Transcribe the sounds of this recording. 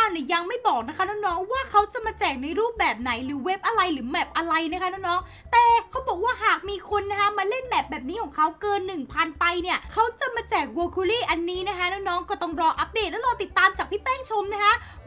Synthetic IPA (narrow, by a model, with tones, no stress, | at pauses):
aː˧˩wni˧˥˩ja˧ŋma˥˩jbɔː˨˩k̚na˦˥kʰa˦˥nɔː˦˥nɔː˦˥ŋwaː˥˩kʰa˦˥wt͡ɕa˨˩maː˧t͡ɕɛː˨˩k̚na˧jɾuː˥˩p̚bɛː˨˩p̚na˩˦jɾɯː˩˦we˦˥p̚ʔa˧ɾa˧jɾɯː˩˦mɛː˨˩p̚ʔa˧ɾa˧jna˦˥kʰa˦˥nɔː˦˥ŋnɔː˦˥ŋ | t̪ɛː˨˩kʰa˦˥wbɔː˨˩k̚waː˥˩ɦaː˨˩k̚miː˧kʰo˧nːa˦˥kʰa˦˥maː˧le˥˩nmɛ˨˩p̚bɛː˨˩p̚niː˦˥kʰɔː˨˩˦ŋkʰa˦˥wkɤː˧nːɯ˨˩ŋpʰaː˧npa˧jni˥˩ɐkʰa˦˥wt͡ɕa˨˩maː˧t͡ɕɛː˨˩k̚woː˧kʰu˧liː˥˩ʔa˧nːiː˦˥na˦˥kʰa˦˥nɔ˦˥ŋnɔː˦˥ŋkɔː˥˩t̪ɔ˥˩ŋɾɔː˧ŋʔa˦˥p̚deː˨˩t̪̚ɛː˦˥ɾɔː˧t̪i˨˩t̪ːaː˧mt͡ɕaː˨˩pʰiː˥˩pɛː˥˩ŋt͡ɕʰo˧mna˦˥kʰa˦˥ʔ